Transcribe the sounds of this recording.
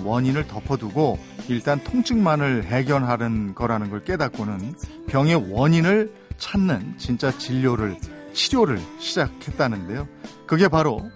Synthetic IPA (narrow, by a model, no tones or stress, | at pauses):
wʌɲinɯɭtʌpʰʌduɡo | iɭt͈antʰoŋt͡ɕʰɯŋmanɯɭɦe̞ɡjʌnɦaɾɯnɡʌɾɦanɯnɡʌɭk͈e̞dak̚k͈onɯn | pjʌŋe̞wʌɲinɯɭ | t͡ɕʰanːɯnt͡ɕint͡ɕ͈at͡ɕiʎːoɾɯɭt͡ɕʰiɾjoɾɯɭɕʰid͡ʑakʰe̞t̚t͈anɯnde̞jokɯɡe̞paɾo